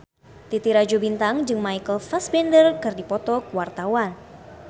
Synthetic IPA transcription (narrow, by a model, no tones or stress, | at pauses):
t̪it̪iɾad͡ʒubint̪aŋd͡ʒɨŋmaikəlfasbɛndərkɨrdipɔt̪ɔkuwart̪awan